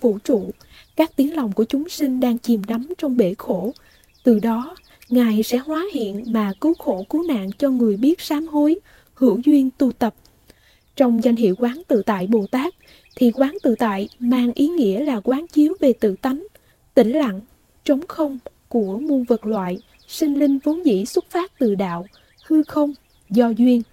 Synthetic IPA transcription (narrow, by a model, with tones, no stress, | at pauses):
fṵ˧˩t͡ɕṵ˧˨ | kaː˦˥k̚t̪i˨˦ənla˨˩wŋ͡mku˧˩ət͡ɕʊ˨˦ŋ͡msï˧ŋ̟ɗaː˧ŋt͡ɕi˨˩mɗa˨˦mt͡ɕɔ˧wŋ͡mɓe˧˩xo˧˩ | t̪ɨ˨˩ɗɔ˨˦ | ŋaː˨˩jsɛ̰˧˥hwaː˨˦hḭ˧˨ənmaː˨˩kɨ˨˦wxo˧˩kɨ˨˦na̰ː˧˨ŋt͡ɕɔ˧ŋɨ˨˩əjɓi˦˥ət̚saː˨˦mho˨˦j | hɨ˧˩əwzwi˧ənt̪u˧t̪ə˨˩p̚ | t͡ɕɔ˧wŋ͡mza˧jŋ̟ɦḭ˧˨əwkwaː˨˦nt̪ɨ̰˧˨t̪a̰ː˧˨jɓo˨˩t̪aː˦˥k̚ | t̪ʰi˨˩kwaː˨˦nt̪ɨ̰˧˨t̪a̰ː˧˨jmaː˨˩ŋʔi˨˦ŋḭ˧˥əlaː˨˩kwaː˨˦nt͡ɕi˨˦əwve˨˩t̪ɨ̰˧˨t̪a˨˦jŋ̟ | t̪ï˧˩ŋ̟la̰˧˨ŋ | t͡ɕə˨˦wŋ͡mxə˧wŋ͡m | ku˧˩əmu˧nvə˨˩t̚lwa̰ː˧˨j | sï˧ŋ̟lï˧ŋ̟vu˨˦nzḭ˧˥swə˦˥t̚faː˦˥t̚t̪ɨ̰˧˩ɗa̰ː˧˨w | hɨ˧xə˧wŋ͡m | zɔ˧zwi˧ən